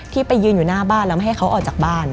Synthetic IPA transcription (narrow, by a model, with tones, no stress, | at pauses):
t̪ʰiː˥˩pa˧jːɯː˧njuː˨˩naː˥˩baː˥˩nlɛ˦˥wma˥˩jɦa˥˩kʰwʔɔː˨˩t͡ɕaː˨˩k̚baː˥˩n